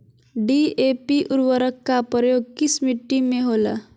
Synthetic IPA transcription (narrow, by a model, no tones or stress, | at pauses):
ɖiepiʔuɾʋəɾəkːapəɾjoɡ̚kismiʈːimeɦola̰